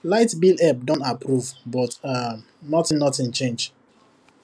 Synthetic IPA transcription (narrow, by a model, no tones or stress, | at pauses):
laɪtbilɛp̚dɔ̃ntapɹuvbɔta | nɔtĩnnɔtĩnt͡ʃẽnd͡ʒ